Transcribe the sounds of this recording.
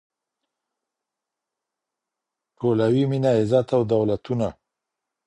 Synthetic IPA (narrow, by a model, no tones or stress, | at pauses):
ʈʰolawiminaɪzat̪awd̪awlat̪una